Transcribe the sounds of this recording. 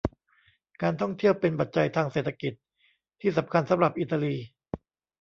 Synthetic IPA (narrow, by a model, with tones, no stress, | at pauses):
kaː˧nt̪ʰɔ˥˩ŋt̪ʰi˥˩əwpe˧npa˨˩t̪̚t͡ɕa˧jt̪ʰaː˧ŋseː˨˩t̪ʰːa˧ki˨˩t̪̚ | t̪ʰːiː˥˩sa˩˦mkʰa˧nsa˨˦mɾa˨˩p̚ʔi˨˩t̪ʰːa˧liː˧